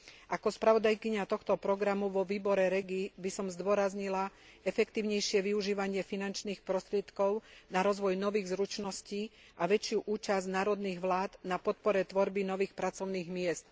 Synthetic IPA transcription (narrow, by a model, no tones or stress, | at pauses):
ʔakɔspɾaʋɔd̪ajkiɲat̪ɔxt̪ɔpɾɔɡɾamuʋɔʋiːbɔɾɛɾɛɡibisɔmzd̪ʊɔɾazɲilaɛfɛkt̪iːʊɲɛjʃɪɛʋiuʒiːʋaɲɪɛfinant͡ʃniːxpɾɔst̪ɾɪɛt̪kɔʊnaɾɔzʋɔjnɔʋiːɣzɾut͡ʃnɔsci | ʔaʋɛt͡ʃɪjuʔuːt͡ʃaznaːɾɔd̪niːɣʋlaːd̪napɔt̪̚pɔɾɛt̪ʋɔɾbinɔʋiːxpɾat͡sɔʊniːɣmɪɛst̪